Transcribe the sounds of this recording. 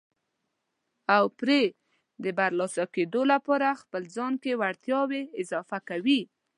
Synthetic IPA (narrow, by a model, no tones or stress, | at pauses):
awpɾe | d̪əbaɾlɑsaked̪olapɑɾaxpəlzɑnkewaɽt̪jɑweɪzɑfakawi